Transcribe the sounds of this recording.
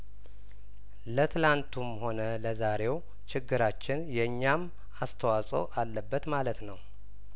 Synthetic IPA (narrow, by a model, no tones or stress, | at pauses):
lət̪ʰɨlant̪ʰumho̞nələzaɾe̞w | t͡ʃɪɡːɨɾat͡ʃːɪnjɛɲːam | ast̪ʰəwasʼə̰walːəbːət̪malət̪nəw